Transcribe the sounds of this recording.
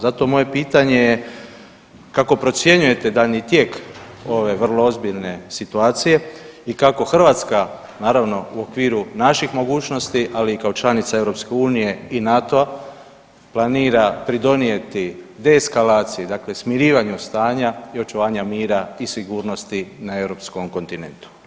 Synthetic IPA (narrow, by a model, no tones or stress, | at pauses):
zat̪omo̞je̞piːt̪aɲe̞je | kako̞pɾo̞t̪sje̞ɲuje̞t̪e̞d̪aʎɲit̪je̞ko̞ʋe̞ʋr̩lo̞ozbiʎne̞sit̪uaːt̪sije̞ikako̞xr̩ʋaːt̪ska | naːɾaʋno̞uo̞kʋiːɾunaʃixmo̞ɡuːt͡ʃno̞st̪iʔaliːkaot͡ʃlˠanit̪sae̞vɾo̞pskeuːnije̞inat̪oa | planiːɾapɾid̪o̞nije̞t̪id̪eːskalaːt̪sijid̪akle̞smiɾiːʋaɲust̪aːɲaio̞t͡ʃuʋaːɲamiːɾaisiɡuːɾno̞st̪inaewɾo̞psko̞mko̞nt̪ine̞̰nt̪u̥